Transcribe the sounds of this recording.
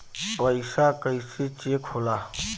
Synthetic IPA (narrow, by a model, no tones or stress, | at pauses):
pəisaːkəisit͡ʃeːkʰhoːlaː